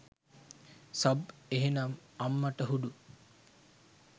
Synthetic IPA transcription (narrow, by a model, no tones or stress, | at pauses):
sabeɦenamamːaʈəɦuɖu